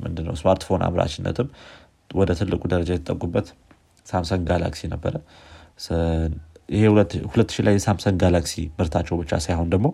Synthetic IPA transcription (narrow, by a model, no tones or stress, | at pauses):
mɨ̰nd̪ɨnːə̰wsmaɾt̪fo̞nʔa̰βɾa̰t͡ʃɪnːə̰t̪ʰɨm | wɔd̪ət̪ʰɨlːɨkʼud̪əɾəd͡ʒajɛt̪ʰət̪ʼːəkʼubːət̪ | samsənɡala̰ksinəbːəɾə | ɪhehulət̪ːɨʃilajːɛsamsənɡalaksimɨɾt̪ʰat͡ʃːɛwbɨt͡ʃːa̰sajho̞nd̪əɡmo̞